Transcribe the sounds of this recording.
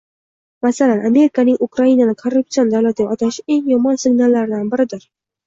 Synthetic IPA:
masalanʔame̞ɾɪkanɪŋʔukɾainanɪkʰarːʊp̚sijond̪awlat̪ʰɪɡʲaɒt̪ʰaʃe̞ŋjɒmɒnsɪŋnalːaɾɪd̪anbɪɾɪd̪ɪɾ

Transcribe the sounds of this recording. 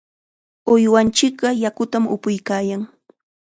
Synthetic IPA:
ʊjwant͡ʃɪkɢɑjakʊt̪amʊ̰pʊjkaːjaŋ

